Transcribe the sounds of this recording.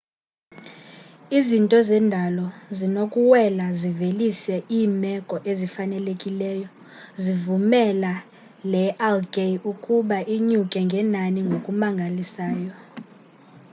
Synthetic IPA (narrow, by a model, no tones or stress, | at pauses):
izintʼɔzɛndʱalɔzinokʼuwɛlazivelisɛʔiːmɛkʼɔʔezifanɛlekʼilɛːjɔ | zivumɛla | lɛʔɛlɡʱʼeukʼuɓaʔiɲukʼɛŋɡʱɛnaniŋɡʱokʼumaŋɡʱalisaːjɔ